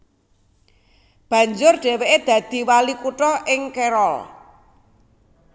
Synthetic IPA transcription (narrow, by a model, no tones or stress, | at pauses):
b̥ä̤ɲd͡ʒʊrɖ̥e̤weʔed̪̥ä̤d̪̥i̤walikuʈɔʔɪŋkeɾɔl